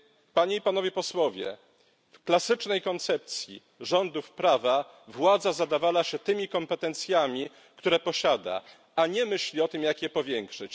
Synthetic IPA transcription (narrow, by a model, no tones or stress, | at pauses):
paɲeipan̪ɔvʲjɛpɔswɔvʲjɛ̰ | fklasɘt͡ʂnɛjkɔnt̪sɛp̚t̪sʲjḭ | ʐɔnd̪ufpɾava | vwad̪zazad̪avawaɕɛt̪ɘmʲikɔmpɛt̪ɛnt̪sʲjamʲi | kt̪uɾɛpɔɕad̪a̰ | aɲɛmɘɕlʲiɔt̪ɘmjakjɛpɔvʲjɛŋkʂɘt͡ɕ